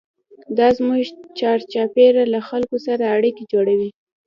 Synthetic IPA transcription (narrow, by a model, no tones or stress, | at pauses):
d̪ɑzmuʒt͡ʃɑɾt͡ʃɑpeɾalaxalkosaɾaːɽiked͡ʒoɽawi